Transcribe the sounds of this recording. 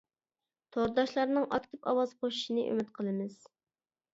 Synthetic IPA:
t̪ʰoɾd̪ɑʃlˠɑɾnɨŋʔɑk̪t̪ʰɨpɑ̰wɑz̥qʰoʃiʃinɨʔø̰mɪt̪qʰəlˠɨmɨz̥

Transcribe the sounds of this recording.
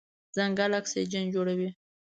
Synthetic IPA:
zaŋɡalaksḛd͡ʒand͡ʒoɽawi

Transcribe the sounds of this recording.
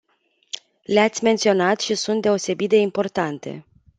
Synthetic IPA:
leat̪sʲme̞nt̪sio̞nat̪ʃisunt̪̚d̪e̞o̞se̞bit̪̚d̪e̞impo̞rt̪ant̪e̞̰

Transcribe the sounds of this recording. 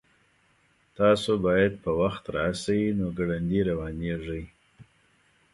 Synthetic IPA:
t̪ɑsobɑjad̪̚pəwaxt̪ɾɑ̰ːsawinoɡaɽand̪iɾawɑneʐəj

